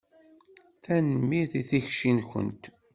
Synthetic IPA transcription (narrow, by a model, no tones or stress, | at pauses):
θænəmːiɾθiθiçʃinçə̰nt̪